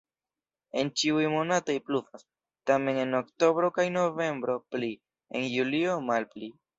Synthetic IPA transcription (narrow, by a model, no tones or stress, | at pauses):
e̞nt͡ʃiujmo̞nato̞jplufas | tame̞ŋe̞nokto̞bɾo̞kajno̞ve̞mbɾo̞pli | ḛnjulio̞malpli